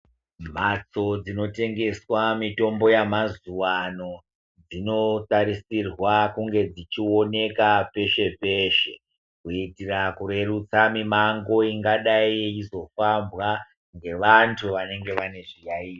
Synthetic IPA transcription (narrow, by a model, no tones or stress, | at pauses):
m̤at͡so̞d͡zino̞te̞ŋɡe̞swamito̞mbo̞jamazuwano̞ | d͡zino̞taɾisirwakuŋɡe̞d͡zit͡ʃio̞ne̞kape̞ʃe̞pe̞ːʃe̞ | kuitirakuɾe̞rut͡samimaŋɡo̞iŋɡaɗaiizo̞fambwa | ŋɡe̞ʋantʰuʋane̞ŋɡe̞ʋane̞ʐijaiːt